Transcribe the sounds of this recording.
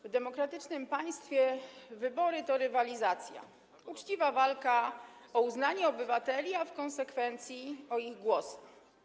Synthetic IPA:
vd̪ɛmɔkɾat̪ɘt͡ʂnɘmpaj̃st̪fʲjɛvɘbɔɾɘt̪ɔɾɘvalʲizat̪sʲja̰ | ut͡ʂt͡ɕivavalkaɔuznaɲɛɔbɘvat̪ɛlʲiafkɔñsɛkfɛnt̪sʲjiɔiɣɡwɔsɛx

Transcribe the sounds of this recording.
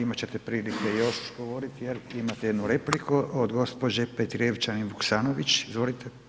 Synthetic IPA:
imat͡ɕet̪epɾiːlikeioʃi̥ʃɡoʋoɾit̪jeɾimat̪ejed̪nuɾe̞plikuod̪ɡo̞spod͡ʑepet̪iɾeʋt͡ʃanibuksaːnoʋit͡ʃzʋolit̪ʰe

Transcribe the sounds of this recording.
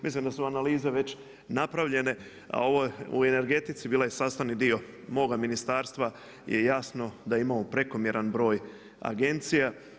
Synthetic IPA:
mislimd̪asuanaliːzeʋe̞t͡ɕ | napɾaʋʎe̞ne̞ | a̰o̞ʋo̞ṵe̞ne̞ɾɡe̞t̪it̪sibiːlajesaːst̪aʋnid̪io̞ | mo̞ːɡaminist̪aːɾst̪ʋa | je̞jasno̞d̪aimamopɾe̞ko̞mje̞ɾanbɾo̞ːj | a̰ɡe̞nt̪sija

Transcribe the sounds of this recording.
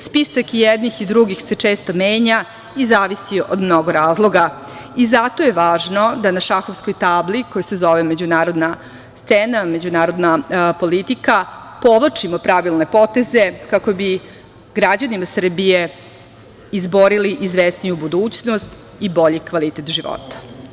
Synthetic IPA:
spisakijɛd̪nixid̪ɾuɡixset͡ʂeːst̪o̞meːɲa | izaːʋisiod̪mno̞ɡoɾaːzlˠo̞ɡa | izat̪ojeʋaːʒno̞d̪anaʃaxo̞ʋsko̞jt̪aːblikojusezo̞ʋeme̞d͡ʑunaːɾo̞d̪na | st̪sename̞d͡ʑunaːɾo̞d̪napo̞lit̪ikapo̞ʋlˠat͡ʂimopɾaʋilˠne̞po̞t̪e̞ze̞kako̞bi | ɡɾad͡ʑanimasr̩bije | izbo̞ɾiliʔizʋest̪nijubud̪uːt͡ɕnost̪ | ibo̞ʎikʋalit̪et̪ʒiʋo̰t̪ḁ

